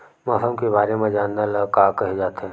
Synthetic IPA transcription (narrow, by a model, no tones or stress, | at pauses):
mɐːɦəmkeβaːɾemẽd͡ʒaːnːaləkaːkəɦed͡ʒaːt̪ɦɛ̃ː